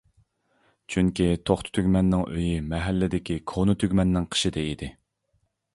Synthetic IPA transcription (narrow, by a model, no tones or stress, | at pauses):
t͡ʃʰyŋkʲit̪ʰoχt̪ʰʊ̥t̪ʰyɡʲmɛnːɪŋʔø̰jimɛɦɛlːɪd̪ɪkʲikʰonɨt̪ʰyɡʲmɛnːɪŋqʰə̥ʃid̪ɛid̪ɪ